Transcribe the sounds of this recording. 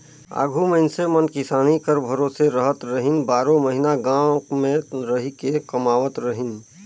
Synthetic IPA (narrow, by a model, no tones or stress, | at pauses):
a̰ːɡʱuməɪnsemənkɪsaːnikəɾbʱəɾoseɾəɦət̪ɾəɦinbaːɾõməɦinaɡãmẽɾəɦikekəmaːʋət̪ɾəɦin